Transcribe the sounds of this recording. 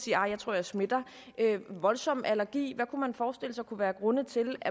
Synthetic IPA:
siːɐɑ̈ɪjɑt͡sʰo̝ɐ̰jɑ̈ɪsme̝d̥ɐ | ʔøʋɒ̽lsɒ̽m̰ʔælɐɡ̥ḭːʋækʰumænfɒːsd̥e̝l̰əsɑ̈ɪkʰuʋæːɐɡ̥ʁɔ̽nət͡sʰe̝læ

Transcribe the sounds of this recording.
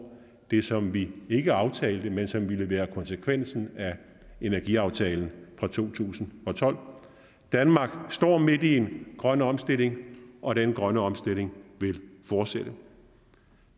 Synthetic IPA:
d̥e̝sɒ̽mʋie̝ɡ̥əɑ̈ʊt͡sʰɛ̰ːld̥əmensɒ̽mʋiləʋæːɐkʰɒ̽nsəkʰʋen̰sn̩æ | e̝næɐɡ̥iɑ̈ʊt͡sʰɛ̰ːln̩fʁɑ̈t͡sʰo̝̰ːt͡sʰṵːsn̩ɒ̽t͡sʰɒ̽l̰ | d̥ænmɑ̈ːɡ̥sd̥ɒ̰ːme̝d̥ie̝nɡ̥ʁɶnɒ̽msd̥e̝le̝ŋʔɒ̽ɾ̥enɡ̥ʁɶnəɒ̽msd̥e̝l̰e̝ŋʋe̝lfɒːd̥seɾ̥ə

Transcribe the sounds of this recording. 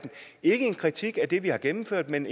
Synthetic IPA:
d̥n̩ | e̝ɡ̥əe̝nkʰʁit͡sʰiɡ̥æd̥e̝ʋihɑ̈ɡ̥emm̩føɐ̰d̥men

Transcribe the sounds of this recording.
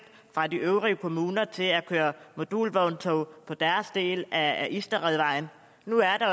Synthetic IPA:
d̥ | fʁɑ̈d̥iʔøʊʁiəkʰo̝muːnɐt͡sʰe̝lækʰøːɐmo̝d̥ṵːlʋɒʊnt͡sʰɔʊpʰɒ̽d̥æɐsd̥e̝̰ːlæʔisd̥ɐʁɛðˠʋɑ̈ɪ̰n̩ | nuæɐd̥ɑ̈

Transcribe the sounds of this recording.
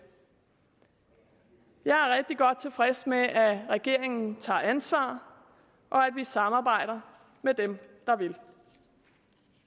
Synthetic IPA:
jɑ̈ɪæɐʁɛɡ̥̚d̥iɡ̥ɒ̽d̥̚t͡sʰe̝lfʁɛsmeʔæʁɛɡ̥e̝ɐ̰eŋn̩t͡sʰɑ̰̈ːænsʋɑ̰̈ː | ʔɒ̽æd̥ʋisɑ̈mɑ̈ːb̥ɑ̈ɪ̰ɾ̥ɐ | med̥emd̥ɑ̈ʋe̝l

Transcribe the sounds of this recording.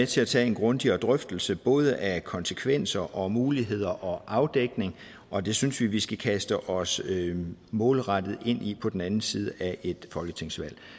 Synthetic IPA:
et͡sʰe̝læt͡sʰɛ̰ːe̝nɡ̥ʁɔ̽nd̥iɒd̥ʁœfd̥l̩səb̥ɔ̽ːð̞ˠəʔækʰɒ̽nsə̥kʰʋen̰sɐʔɒ̽muːliɦe̝ð̞̰ˠɐʔɒ̽ʔɑ̈ʊd̥eɡ̥ne̝ŋ | ʔɒ̽d̥e̝synsʋiʋisɡ̥ækʰæsd̥əʔɒ̽sømɔ̽ːlʁɑd̥əð̞̩ˠe̝n̰ipʰɒ̽d̥en̩ænn̩siːð̞ˠəʔæʔe̝d̥fɒ̽lɡ̥ət͡sʰe̝ŋ̰sʋæl̰

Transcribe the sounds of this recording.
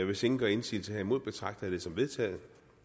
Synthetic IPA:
ʋe̝se̝ŋn̩ɡ̥ɶɐːe̝nsḭːlsʰehæimo̝ð̰ˠb̥e̝t͡sʰʁɑ̈ɡ̥̚d̥ɾ̥e̝sɒ̽mʋe̝ðˠt͡sʰɛ̰ːð̩ˠ

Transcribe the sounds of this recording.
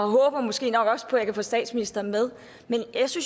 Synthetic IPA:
ɒ̽ɦɔ̽ːb̥ɐmɒ̽sɡ̥e̝̰ːnɒ̽ɡ̥ɒ̽spʰɒ̽jɑ̈kʰæfɔ̰̽ːsd̥ɛ̰ːd̥sminisd̥ɐːmeð̞ˠ | menjɑ̈syns

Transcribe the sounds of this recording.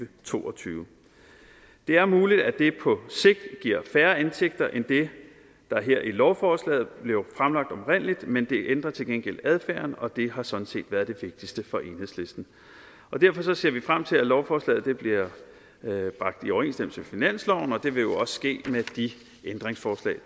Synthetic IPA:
ət͡sʰo̝̰ːɒt͡sʰyː | d̥e̝æɐmuːlid̥æd̥e̝pʰɒ̽se̝ɡ̥̚d̥ɡ̥iɐ̰fæɐe̝nsʰeɡ̥̚d̥ɐʔend̥e̝ | d̥ɑ̈ɦeɐ̰ʔilɒʊfɒːslɛ̰ːð̩ˠb̥le̝ʊfʁamlɑ̈ɡ̥̚d̥ɒ̽bʁen̰lid̥mend̥e̝ʔend̥ʁɐt͡sʰe̝lɡ̥enɡ̥el̰æð̞ˠfæɐnɒ̽d̥e̝ɦɑ̈sɒ̽d̥n̩se̝̰ːd̥ʋæɐð̞ˠd̥e̝ʋe̝ɡ̥̚d̥isd̥əfɒ̽ʔe̝nhḛsle̝sd̥n̩ | ʔɒ̽d̥æɐ̰fɒ̽sɒ̽se̝ɐ̰ʋifʁam̰t͡sʰe̝lælɒʊfɒːslɛ̰ːð̩ˠd̥e̝b̥liɐ | b̥ʁɑ̈ɡ̥̚d̥iɒʊɐe̝ːnsd̥em̰̩səmefinæn̰slɒʊn̩ɒ̽d̥e̝ʋe̝jo̝ɒ̽sə̥sɡ̥e̝̰ːmed̥i | ʔend̥ʁeŋsfɒːslɛ̰ː

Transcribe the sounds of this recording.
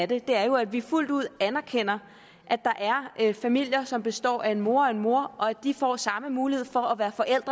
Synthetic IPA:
d̥e̝d̥e̝æɐjo̝æd̥ʋiful̰d̥uð̞̰ˠænɐkʰen̰ɐ | ʔæd̥ɑ̈ʔæɐøfæmil̰jɐsɒ̽mb̥e̝sd̥ɒ̰ːæe̝nmo̝ːɐ̰ɒ̽e̝nmo̝ɐʔɒ̽ædd̥ifɒ̰ːsɑ̈məmuːlihe̝ð̞̰ˠfɒ̽ːʋæːɐfɒ̽ʔel̰d̥ʁɐ

